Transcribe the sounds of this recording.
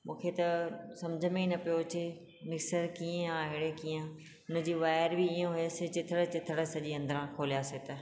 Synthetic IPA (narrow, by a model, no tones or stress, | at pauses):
mũːkʰet̪ɐsɐmd͡ʑʱəmẽnɐpijot͡ɕʰe | mɪksəɾkiːə̃ãɦɪɽekiːə̃ | ʊnə̆d͡ʑiːʋaːɪɾbiiːjõɦujaset͡ɕɪt̪ʰəɽət͡ɕɪt̪ʰəɽə̆sɐʄiɐ̃nd̪əɾãkʰoːlijaːset̪ɐ